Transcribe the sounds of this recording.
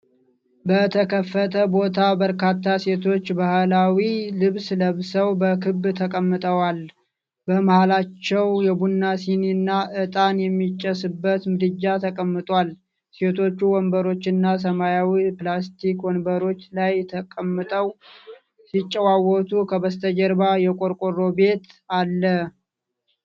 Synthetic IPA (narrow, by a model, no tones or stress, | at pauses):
bət̪ʰəkʰəfːət̪ʰəbo̞t̪ʰabəɾkʰat̪ːase̞t̪ʰo̞t͡ʃːbahlawilɨβsləβsəwbəkʰɨbːt̪ʰəkʼəmːɨt̪ʼəwal | bəmahalat͡ʃːɛwjɛbunːasininːaʔɨt̪ʼanjɛmːit͡ʃʼːəsɨbːət̪mɨd̪ɨd͡ʒːat̪ʰəkʼəmːɨt̪ʼwal | se̞t̪ʰo̞t͡ʃːuwɔnbəɾo̞t͡ʃːɪnːas̬əmajawiplast̪ʰikwɔnbəɾo̞t͡ʃːlajt̪ʰəkʼəmːɨt̪ʼəw | sit͡ʃʼːəwawːɔt̪ʰukʰəβəst̪ʰəd͡ʒəɾbajɛkʼoɾkʼoro̞be̞t̪alːə